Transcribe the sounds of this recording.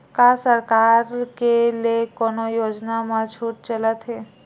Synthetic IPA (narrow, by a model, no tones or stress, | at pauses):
kasəɾkaːɾkelekoːnojoːd͡ʒnamãt͡ʃʰuːʈ̚t͡ʃələt̪ɦɛː